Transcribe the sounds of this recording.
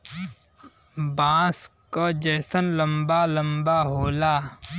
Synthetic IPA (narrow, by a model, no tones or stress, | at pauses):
bãːskod͡ʒɛːsənlə̃mbalə̃mbaɦoːlaː